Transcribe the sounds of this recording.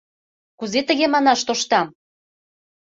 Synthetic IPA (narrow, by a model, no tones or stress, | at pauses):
kuzet̪ə̆ɣemɑnɑʃt̪oʃt̪ɑm